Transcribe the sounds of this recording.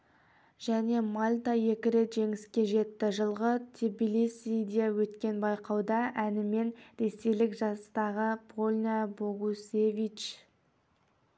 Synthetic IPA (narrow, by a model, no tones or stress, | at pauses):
ʒ̥æne̞malʲt̪ɑje̞kʲɪɾe̞t̪ʒe̞ŋɪskʲe̞ʒe̞t̪ːɪʒəlˠʁət̪ʰibilisid̪eewɵt̪kʲe̞nbɑjqɑwd̪ɑʔænɪme̞nɾe̞se̞jlɪkʒɑst̪ɑʁəbolʲnʲaboʁusevit͡ʃ